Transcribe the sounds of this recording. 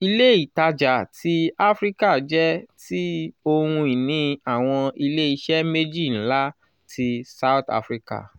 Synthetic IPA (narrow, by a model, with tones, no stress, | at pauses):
i˧le˦i˦˨ta˧d͡ʒa˨ti˧a˦fɾi˦ka˦˨d͡ʒɛ˦ti˦o˧ɾũ˧i˨nĩ˨˦a˨w̃ɔ̃˧i˧le˦i˧ʃɛ˦me˦d͡ʒi˦˨ñ̩˦la˦ | tʰi˧sa˦˨ta̰˧˨fɾi˦ka̰˦˨